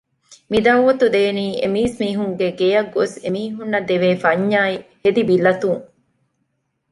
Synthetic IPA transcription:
mid̪ɐʋɐt̪ud̪eːniːḛmiːsmiːɦuŋɡeɡejɐɡosemiːɦunːɐd̪eʋeːfɐɲːaːihed̪ibilːɐt̪uŋ

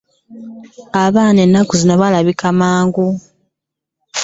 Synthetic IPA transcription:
aβaːne̞nːakuzinoβalaβikamaːŋɡu

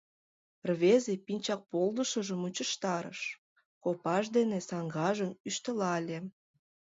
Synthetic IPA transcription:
rβezepinʲt͡ɕɑk̚pold̪əʃəʒəmut͡ɕəʃt̪ɑɾə̰ʃ | kopɑʃd̪enesɑŋɡɑʒənyʃt̪əlɑlʲe

